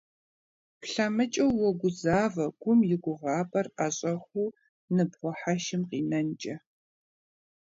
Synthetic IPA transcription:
pɬamɨt͡ʃʼɐwːɔɡʷʊzaːvɐɡ̥ʷʊmjɪɡʷʊʁɑːpʼɐraɕʼɐxʷuː | nɨbʁʷɔħaʃɪmqiːnɐnt͡ʃʼɐ

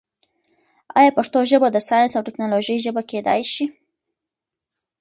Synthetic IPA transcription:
ɑ̰jɑpaʂt̪oʒəbad̪əsɑjansawʈɪknɑloʒəjʒəbaked̪ɑ̰jʃi

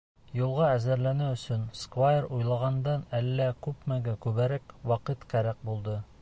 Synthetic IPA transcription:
julˠʁɑæzæɾlænæɵ̆sɵnskvajeɾujlˠɑʁɑnd̪ɑnælːækʉpmæɡækʉβæɾækwɑqɤt̪qæɾæq̚bulˠd̪ɤ

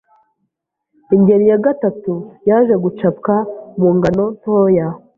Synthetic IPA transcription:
iɲɟe̞ɾijaɡatatujaːʒe̞ɡut͡ʃap̚kamuːŋɡano̞ntoːja

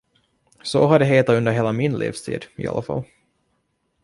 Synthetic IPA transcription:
sɔɦaɖɛɦeːt̪aɵnd̪əɾɦeːlamɪnlʔḭːfst̪ʰḭːd̪ɪ̰ɑ̰lʔafɑ̰lː

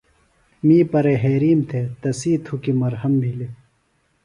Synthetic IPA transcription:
miːpɐɾeɦeːɾiːmt̪ʰet̪ɐsiːt̪ʰukimɐɾhɐmbʱili

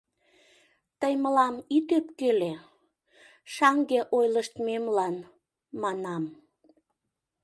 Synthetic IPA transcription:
t̪əjməlɑmit̪øp̚kele | ʃɑŋɡeʔojləʃt̪memlɑn | mɑnɑm

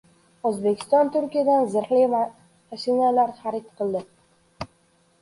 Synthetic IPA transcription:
ɵzbekʲʰɪ̥st̪ɒnt̪ʰʊɾkʲijad̪anzɪɾχliva | aʃɪnalaɾχaɾɪt̪qʰɨlˠd̪ɪ

